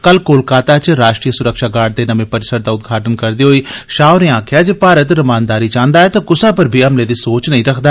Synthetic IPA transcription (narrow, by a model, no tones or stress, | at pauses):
kəlkoːlkaːt̪aːt͡ʃɾaːʃʈɾiːəsʊɾəkʃaːɡaːɖ̚d̪eːnəmẽːpəɾɪsəɾd̪aːʊt̪̚ɡʱaːʈənkəɾd̪iːɦoiːʃaːʊɾẽːãːkʰjaːd͡ʒeːpaːɾət̪ɾəmãːnd̪aːɾiːt͡ʃãːnd̪aːɛːt̪ãːkʊsãːpəɾbʱiːɦəmleːd̪iːsoːt͡ʃnəɦĩːɾəkʰd̪aː